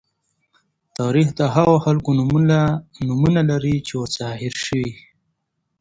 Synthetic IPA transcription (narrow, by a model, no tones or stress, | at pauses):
t̪ɑɾixd̪əɦaɣoxalkonumunanumunalaɾit͡ʃewot͡sɑhɪɾʃəwi